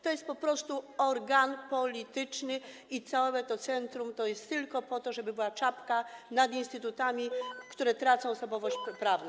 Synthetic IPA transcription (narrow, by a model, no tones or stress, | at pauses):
t̪ɔjɛst̪̚pɔpɾɔst̪uɔɾɡanpɔlʲit̪ɘt͡ʂnɘ | it̪sawɔwɛt̪ɔt̪sɛnt̪ɾumt̪ɔjɛst̪ːɘlkɔpɔt̪ɔʐɛbɘbɘwat͡ʂapkanad̪inst̪ɘt̪ut̪amʲikt̪uɾɛt̪ɾat̪sɔ̃w̃ɔsɔbɔvɔɕt͡ɕpɾavnɔ̃